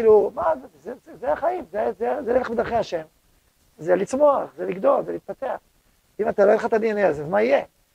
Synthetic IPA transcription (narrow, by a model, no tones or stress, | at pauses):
ilumazzezezeaχajimzezezelelebed̪aʁχeaʃe̞m | zelit͡smo̞aχzeliɡd̪o̞lzeliːt̪̚pat̪eaχ | imat̪aloeleχat̪anieneazezmaije